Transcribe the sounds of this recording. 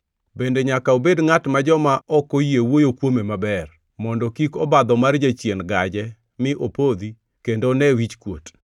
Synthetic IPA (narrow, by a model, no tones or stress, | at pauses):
bendeɲakaobedŋatmad͡ʒɔmaʔɔkojewojokwomemabɛr | mɔndɔkikɔbad̪ɔmard͡ʒat͡ʃjenɡad͡ʒɛ | mɪʔopod̪i | kendonɛwit͡ʃkwot